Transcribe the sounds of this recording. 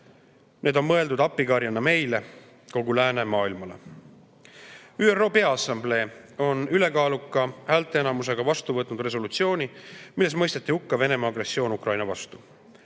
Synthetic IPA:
nʔe̞ːd̪o̞nmɤe̞ld̪ud̪ɑpːiɡɑɾjɑnːɑme̞jle̞ | ko̞ɡulæːne̞mɑːilmɑle̞̰ | yːero̞ːpe̞ɑɑsːɑmble̞ːo̞nyle̞kɑːlukːˑɑhæːlt̪ːˑeenɑmus̬e̞ɡ̥ɑvɑst̪uvɤt̪nud̪̥re̞s̬o̞lut̪sio̞ːnimilːe̞smɤ̞jst̪e̞t̪ːˑihukːɑve̞ne̞mɑːɡre̞sːio̞ːnukrɑjnɑvɑst̪u

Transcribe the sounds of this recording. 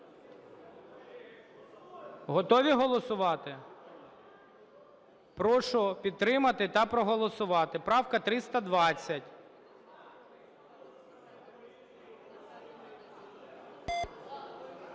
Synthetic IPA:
ɦɔt̪ɔʋʲiɦɔlˠɔsʊʋɑt̪ɪ | pɾɔʃɔpʲid̪̚t̪ɾɪmɐt̪ɪt̪ɐpɾɔɦɔlˠɔsʊʋɑt̪ɪpɾɑwkɐt̪ɾɪst̪ɐd̪ʋɑt͡sʲːɐtʲ

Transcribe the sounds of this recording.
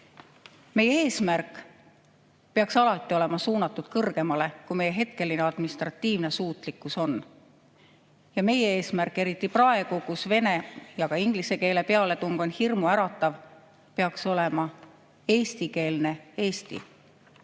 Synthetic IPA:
me̞jee̞ːsmærkːˑ | pe̞ɑksɑlɑt̪ːˑio̞le̞mɑsuːnɑt̪ːˑud̪̥kɤrɡ̥e̞mɑle̞kume̞je̞ɦe̞t̪ke̞lːineɑd̪minist̪rɑt̪ːiːvne̞suːt̪ˑlikːˑuso̞n | jɑme̞jee̞ːsmærkːˑe̞ɾit̪ˑːiprɑe̞ɡ̥ukusve̞ne̞jɑɡ̥ɑiŋɡ̥lise̞ke̞ːle̞pe̞ɑle̞t̪uŋɡ̥o̞nhirmuæɾɑt̪ːˑɑv | pe̞ɑkso̞le̞mɑ | e̞ːst̪ike̞ːlne̞e̞ːst̪ḭ

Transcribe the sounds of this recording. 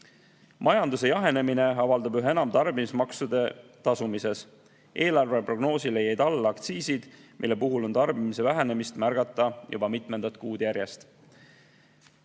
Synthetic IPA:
mʔɑjɑnd̪use̞jɑɦe̞ne̞mine̞ɑvɑld̪̥ɑbyɦeenɑmt̪ɑrbimismɑksud̪̥e̞t̪ɑsumise̞s | ʔe̞ːlɑrve̞pro̞ɡ̥no̞ːsile̞jɑjd̪̥ɑlːɑkt̪siːsid̪̥mʔḭlːe̞puɦulo̞nt̪ɑrbimise̞væɦene̞mist̪mærɡ̥ɑt̪ːˑɑjṵbɑmit̪ˑme̞nd̪̥ɑt̪kuːd̪̥jæɾje̞st̪

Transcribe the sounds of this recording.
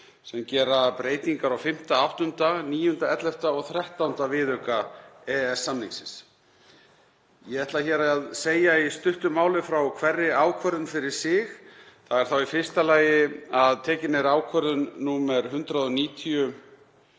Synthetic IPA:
sɛmcɛːɾapɾeːjt̪iŋkaɾawfɪm̥t̪aawht̪ʏnt̪aniːjhʏnt̪aɛt̪lɛft̪aɔɣθɾɛht̪awnt̪avɪðœkaɛɛsːamniŋsɪns | jɛɛht̪laçɛːɾaaðseːjaist̪ʏht̪ʏmːaːwlɪfɾawkʰvɛrːɪaːwkʰvœɾðʏnfɪɾɪɾ̥sɪxθaɣɛɾ̥θawifɪ̥st̪alaːjɪaðt̪ʰɛːcɪnɛɾaːwkʰvœɾðʏnːuːmɛɾ̥ɦʏnt̪ɾaðɔniːt̪ʰiʏ

